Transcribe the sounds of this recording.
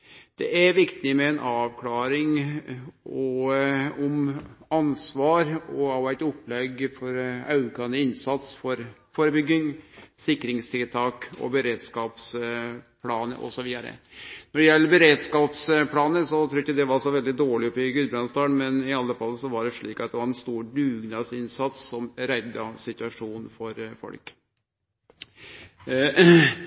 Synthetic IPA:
d̪̥ɛ̰ʔæɾʋɪkt̪ɪmɛɛnʔɑːʋkʰlɑːɾɪŋ | ɔ | ɔmɑnsʋɑːɾɔɑʋæɪt̪ɔpːlɛɡfɔɾɑʉkɑnːəɪnsɑt̪sfɔɾfoːɾəbʏɡːɪŋsɪkːɾɪŋst̪ʰɪlt̪ʰɑːkɔ̰bəɾeːd̪skɑːpspʰlɑːnə̰ʔɔ̰sɔʋiːd̪æɾə̰nɔɖɛjɛlːəɾbəɾeːd̪skɑːpspʰlɑːnəsɔt̪ʰɾuːɾɪkːəd̪ɛʋɑɾsɔʋɛld̪ɪd̪oːɭɪɔpɪɡʉːbɾɑnst̪ɑːɳmɛnɪɑlːəfɑlːəsɔʋɑɖɛʂɭiːkɑt̪̚d̪ɛʋɑɾɛnst̪uːɖʉːɡnɑːsɪnsɑt̪sːɔmɾæɪd̪ɑsɪt̪ʉɑʂuːnfɔɾfɔ̰lk

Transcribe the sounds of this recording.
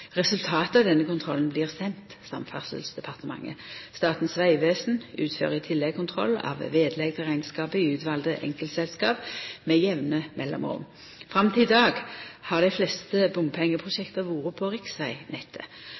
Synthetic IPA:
ʁɛsʉlt̪ʰɑːt̪əɑd̪ɛnːəkʊnt̪ʰʁɔlənbliːʁsɛnt̪sɑmfɑʁsə̰lsd̪ɛpʰɑʁt̪əmɑ̰ŋːə̰st̪ɑːt̪n̩sʋæɪʋeːsn̩ʉ̰ːt̪fø̰ːʁəɪt̪ʰɪlːɛɡkʰʊnt̪ʰʁɔ̰lːɑ̰ːʋʋeːd̪lɛɡt̪ʰəʁæɪnskɑːpəɪʉːt̪ʰʋɑld̪əʔɛ̰ŋkəlt̪sɛlskɑːpmɛjɛʋnəmʔɛlːɔ̰mʁʊ̰m | fʁɑmt̪ʰɪld̪ɑːɡhɑʁd̪æɪflɛst̪əbʊmpʰɛŋːəpʰʁʊʃɛkt̪əʁʋuːʁəpʰoːʁɪksæɪnɛt̪ʰːə̰

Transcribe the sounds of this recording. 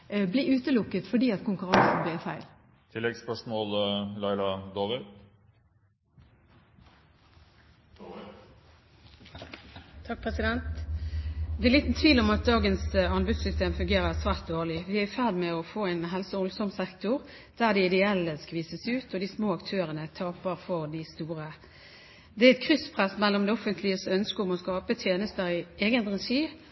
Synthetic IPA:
blɪːʉːt̪əlʊkːət̪fɔɖiːɑt̪kʊŋkʉʁɑŋsn̩blɪfæɪl | t̪ʰɪlːɛɡspœʂmɔːllɑɪlɑd̪oːʋɪd̪ | t̪ʰɑk̚pʰʁɛsɪd̪ɛnt̪ | d̪ɛʁliːt̪n̩t̪ʰʋiːlɔmɑt̪̚d̪ɑːɡənsɑnbʉd̪sʏst̪eːmfʉŋɡeːʁəʁsʋæːʁt̪̚d̪oːʁlɪʋɪæfæʁd̪mɛɔfoːæɪnɦɛlsɔɔlsɔmsɛkt̪ʊʁ | d̪̥æːʁd̪ɛɪd̪ɛɛlːəskʋiːsəsʉːt̪ɔd̪ɪsmoːɑkt̪ʰøːʁənət̪ʰɑːpəʁfɔʁd̪ɪst̪uːʁə | d̪ɛæɛt̪̚kʰʁʏspʰʁɛsmɛlːɔmd̪ɛːɔfənt̪ʰlɪəsœnskəʊmɔskɑːpət̪ʰjeːnəst̪əʁɪeːɡənʁɛʃiː

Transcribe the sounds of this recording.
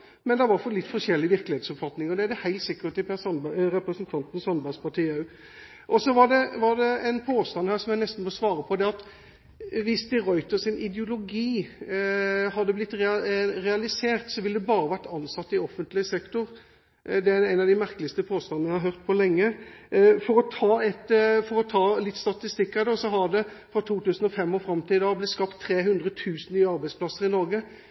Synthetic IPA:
mɛnd̪ɛʋɑɾfɔlɪt̪ːfɔʂɛlːɪʋɪɾklɪheːt̪sɔpfɑt̪nɪŋɔd̪ɛæd̪ɛhæɪlt̪sɪkːət̪ɪpɛsɾɛpɾəsənt̪ʰɑnt̪n̩sɑnbæɪspɑʈʰiːɑʉ | ʔɔsɔʋɑɖɛʋɑɖ̪ɛɛɪnpʰoːst̪ɑnhæːɾʂɔmjæɪnɛst̪n̩mʋɔsʋɑːɾəpʰɔd̪ɛɑt̪ | ʋɪsd̪ɪɾɔʏt̪əsɪnʔɪd̪əʊlʊɡiː | hɑd̪ːəblɪt̪ːɾɛɾɛɑlɪseːʁt̪sɔʋɪlːəd̪ɛbɑːɾəʋæʁʈɑnːsɑt̪ːɪɔfənt̪lɪəsɛkt̪ʊʁ | d̪ɛææɪnɑd̪ɪmæɾklɪəst̪əpʰoːst̪ɑnn̩æhɑɾɦœʁt̪̚pʰɔlɛŋːə | fɔɾɔt̪ʰɑːɛt̪fɔɾɔt̪ʰɑːlɪt̪ːst̪ɑt̪ɪst̪ɪkːæd̪ɛsɔɦɑd̪ɛfʁɑt̪ʰuːt̪ʉːsn̩ɔfɛmːɔfɾɑmt̪ʰɪd̪ɑːblɪt̪skɑpt̪ʰːɾeːɦʉnd̪ʁət̪ʰʉːsn̩nyːəɑʁbæɪspʰlɑsːəɾɪnɔɾɡə

